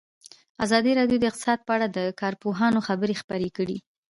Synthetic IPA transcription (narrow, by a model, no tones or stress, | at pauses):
azɑd̪iɾɑɖjod̪əɪqt̪ɪ̥sɑd̪̚pəaɽad̪əkɑɾpoɦɑnoxabəɾexpəɾekəɽi